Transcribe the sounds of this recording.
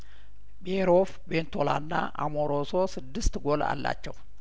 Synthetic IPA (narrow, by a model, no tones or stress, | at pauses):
beɾof | bent̪ʰola̰nːaʔamoɾososɨd̪ːɨst̪ɡola̰lːa̰t͡ʃːɛw